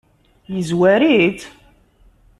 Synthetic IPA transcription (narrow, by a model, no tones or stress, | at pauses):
jizwæɾit̪